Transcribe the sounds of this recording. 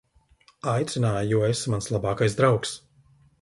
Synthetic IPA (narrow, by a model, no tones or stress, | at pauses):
ajt̪sinaːjjuɔesmanslˠabaːkajzd̪ɾawks